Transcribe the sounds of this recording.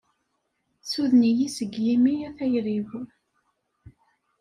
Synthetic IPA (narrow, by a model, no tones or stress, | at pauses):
t͡sːuðnijisəɡjimijæθæjɾiv